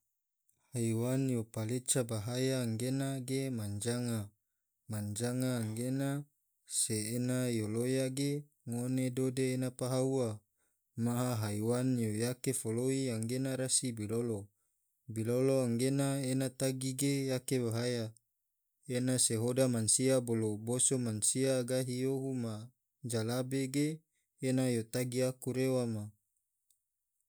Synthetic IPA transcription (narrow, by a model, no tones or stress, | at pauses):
haiwanjopalet͡ʃabaɦajaːŋɡenaɡemaɲd͡ʒaŋa | maɲd͡ʒaŋaːŋɡena | seːnajolojaɡe | ŋonedodeːnapaɦaua | maɦaɦaiwanjojakefoloiaŋɡenaɾasibilolo | biloloaŋɡenaenat̪aɡiɡejakebaɦaja | enaseɦodamansiabolobosomansiaɡaɦijoɦuma | d͡ʒalabeɡeː | najot̪aɡiakuɾewama